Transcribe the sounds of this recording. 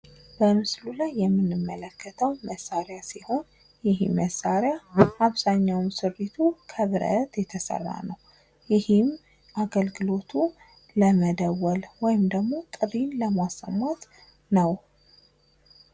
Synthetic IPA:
bəmɨslulajːɛmːɨnːɨmːələkːət̪ʰəwməsːaɾɪjasiho̞n | jɪɦmːəsːaɾjaʔaβzaɲːawnsɨrːit̪ʰukʰəβɨɾə̰t̪jɛt̪ʰəsə̰rːa̰nəw | jɪhɪm | aɡəlɡɨlo̞t̪ʰu | ləməd̪əwɔlwɔjɪmd̪əɡmo̞t̪ʼɨβinləmasə̰mat̪ | nəw

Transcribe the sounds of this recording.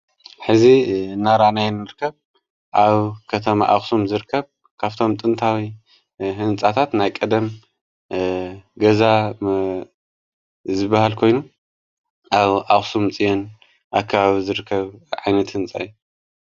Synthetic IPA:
ħɨzinaɾanajɛnːɨɾɨkʰːɐβ | ʔaβkʰɐt̪ʰɐmaʔaxsumzɨɾɨkʰːɐβ | kʰaβt̪ʰo̞mt̪ʼɨnt̪ʰawi | ɦɨnt͡sʼat̪ʰat̪najkʼɐd̪ɐm | ɡɐza | zɨbːahalkʰo̞jnu | ʔaβʔaxsumt͡sʼijon | ʔakʰːaβaβizɨɾɨkʰːɐβʕajnɐt̪hɨnt͡sʼa̰jːu

